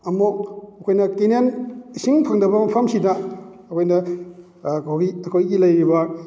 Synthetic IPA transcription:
ɐmoɐkʰojnɐkinensiŋpʰɐŋdɐbɐmɐpʰɐmsidɐː | kʰojnɐ | kʰowɡiɐkʰojɡilɐjɾibɐ

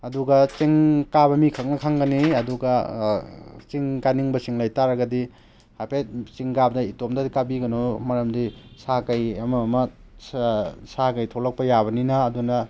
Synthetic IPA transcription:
ɐduɡɐt͡ʃiŋkabɐmikʰɐk̚nɐkʰaŋɡɐniɐduɡɐ | t͡ʃiŋkaniŋbɐsiŋlɐjtaɾɐɡɐdi | hapʰet̚t͡ʃiŋɡabdɐitomdɐdikabiɡɐnomɐɾɐmdisakɐjɐmɐmɐ | sakɐjtʰolɐk̚pɐjabɐninɐːdunɐ

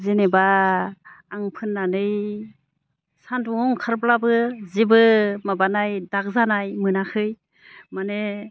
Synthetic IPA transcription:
zenebaː | ŋpʰɯnːanɯj | sanduŋɔŋkʰaɾplabɯzebɯmabanajdak̚zanajmɯnakʰɯj | mane

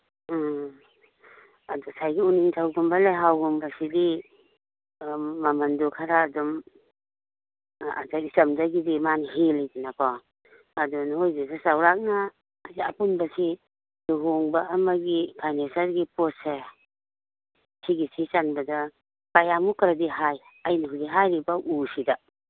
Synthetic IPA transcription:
adɔsajɡiuniŋtʰawɡumbaleɦawɡumbasidi | mamandukʰaɾaːdɔm | a̰dakisamdaɡidimanɦelidinakʰɔ | adɔnhojzisasawɾak̚naː | dɐpunbɐsi | duɦoŋbaːmaɡipʰajnesaɾɡipɔse | siɡisit͡ʃanbɐda | kajamukɾadiɦaj | ajniɦuɡiɦajɾibaʔusida

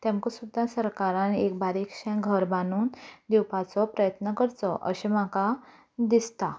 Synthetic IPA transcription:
t̪ɛ̃mkɔsud̪ʱːasəɾkaɾãnek̚baɾikɕɛ̃ɡʱəɾbanuːnd̪iwpat͡sɔpɾəjət̪nəkəɾt͡sɔʔə̰ɕemaka | d̪ist̪a

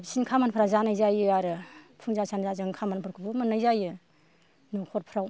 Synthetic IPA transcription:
bsinkʰamanpʰɾazanajzajɯaɾɯpʰɯŋzasʰanzazɯŋkʰamanpʰɯɾkʰɯbɯmɯnɯjzajɯ | nukʰɔt̚pʰɾaw

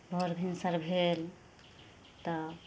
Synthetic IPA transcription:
bʱɔɾbʱinsaɾbʱel | t̪ɔ

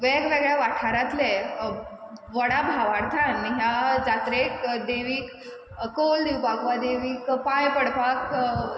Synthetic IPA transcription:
ʋɛɡʋeɡɭjaʋaʈʰaɾat̪le | ʋəɽabʱaʋaɾt̪ʰanːiɦjad͡zat̪ɾekd̪eʋiːk | kold̪iwbaɡʋad̪eʋiːkpajpəɽpak

